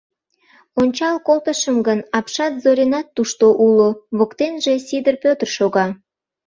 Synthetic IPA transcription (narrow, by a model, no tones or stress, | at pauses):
onʲt͡ɕɑlkolt̪əʃəmɡənɑpʃɑt̪zoɾʲenɑt̪ːuʃt̪oʔuloβokt̪enʒe̽sid̪ərpʲøt̪ərʃoɣɑ